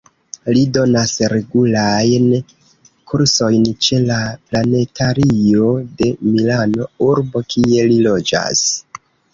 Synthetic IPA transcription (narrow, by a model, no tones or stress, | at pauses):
lido̞nasɾe̞ɡulajn | kʰuɾso̞jnt͡ʃe̞laplane̞tʰaɾio̞de̞milano̞uɾbo̞kʰie̞lilo̞d͡ʒa̰s